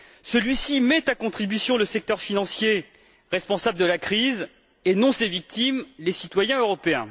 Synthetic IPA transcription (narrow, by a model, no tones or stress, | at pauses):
səlɥisimɛt̪akɔ̃t̪χibysjɔ̃ləsɛk̚t̪œʁfinɑ̃sje | ʁɛspɔ̃sabləd̪əlakχiz | enɔ̃sevik̚t̪imlesit̪wajɛ̃øʁɔpeɛ̃